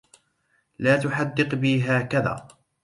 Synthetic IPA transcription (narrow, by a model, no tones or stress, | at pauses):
laːt̪ʊħad̪ːɪqbiːɦaːkaða̰ː